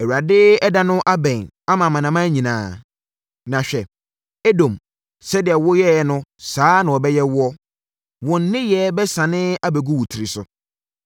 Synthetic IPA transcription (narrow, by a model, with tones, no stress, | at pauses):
ɛ˨wu˨ɾa˨dɪ˦ɛ˦dã˦nʊ̃˦ʔa˦bɛ̃˨n | a˦mã˨mã˨nã˨mã˦ɲĩ˨nã̰ː˨ | nã˨ɕᶣɛ˨ | ɛ˦dõ˨m | sɛ˦dɪ˨ɛ˨wʊ˦jɛ˦˨nʊ̃˦saː˦nã˨wɔ˨bɛ˦jɛ˦wʊ˦ɔ˦ | wɔ̃˨n˦nɪ̃˦jɛ˦bɛ˦sã˨nɪ̃˦a˦bɛ˨ɡu˦wu˨tʰi˨ɾi˨sʊ˨